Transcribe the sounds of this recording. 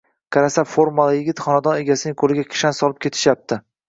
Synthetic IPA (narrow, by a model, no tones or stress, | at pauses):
kʰaɾasafoɾmalˠajɪɡʲɪt̪χɒnad̪ɒne̞ɡʲasɪnɪŋkʰolɪɡʲakʲʰɪ̥ʃansɒlˠɪp̚kʲʰe̞t̪ʰɪ̥ʃjap̚t̪ɪ